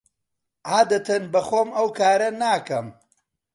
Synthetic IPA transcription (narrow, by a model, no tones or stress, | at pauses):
ʕaːd̪ɐt̪ɐnbɐxoːmɐwkaːɾɐnaːkɐm